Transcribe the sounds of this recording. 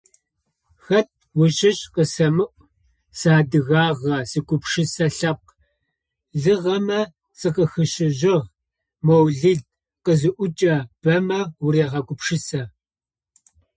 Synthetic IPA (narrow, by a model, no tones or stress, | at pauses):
xɐt̚wʊɕɪɕʼqəsɐmɨʔʷʼ | saːdɨɣaːʁɐsɨɡʷʼʊpʃɪsɐɬɐp̚q | zɨʁɐmɐ | sɨqəxɨɕɪʑɪʁ | mowɮiːd̚ | qəzɨʔʷʊt͡ʃʼɐb̥ɐmɐwureːʁɐɡʷʊpʃɪsɐ